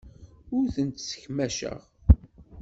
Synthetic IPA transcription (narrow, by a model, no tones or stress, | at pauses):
ʊɾθənt̪sə̥çmæʃə̰ʁ